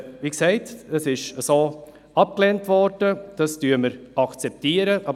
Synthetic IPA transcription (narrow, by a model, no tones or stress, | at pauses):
viːksɛɪtəsɪʃəsoː | ɑp̚klɛntvɔɾd̥əd̥ɑstyːməɾɑkt͡sɛp̚tiːəɾəʔɑ